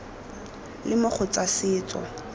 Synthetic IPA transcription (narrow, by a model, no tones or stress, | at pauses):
lɪmʊχʰʊt͡sasɪːt͡sʼɔ̰